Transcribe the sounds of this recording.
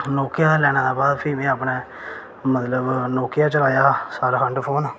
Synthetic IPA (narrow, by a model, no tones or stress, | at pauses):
noːkɪjaːd̪aːlɛːɽ̃ãːd̪aːbaːd̪pʰɪmẽːəpneː | mət̪ləbnoːkɪjaːt͡ʃəlaːjaːsaːɾakʰəɳʈpʰoːnaː